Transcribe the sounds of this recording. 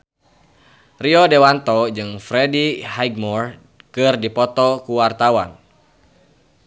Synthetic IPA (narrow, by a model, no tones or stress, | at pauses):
riɔdɛwant̪ɔd͡ʒɨŋfɾɛdihajɡmɔr | kɨrdipɔt̪ɔkuwart̪awa̰n